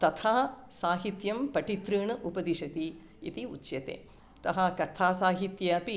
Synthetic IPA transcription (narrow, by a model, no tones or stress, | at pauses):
t̪ɐt̪ʰaːsaːɦit̪jɐmpɐʈit̪ɾɨːɳɨʔupɐd̪iʃɐt̪i | it̪iṵt͡ʃjɐt̪ḛː | t̪ɐɦɐkɐt̪ʰaːsaːɦit̪jɐɐpi